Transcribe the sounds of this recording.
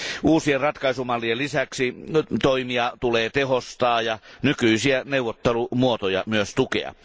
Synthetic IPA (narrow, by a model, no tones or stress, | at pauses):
ʔuːsierrɑt̪kɑisumɑlːielisæksit̪oimiɑt̪uleːt̪ehost̪ɑːjɑnykyisiæneuʋˑot̪ːelumuot̪ojɑmyøst̪ukḛɑ̰